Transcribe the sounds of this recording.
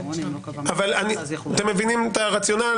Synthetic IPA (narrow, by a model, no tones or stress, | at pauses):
avalanit̪emːevinimet̪aʁat͡sjo̞na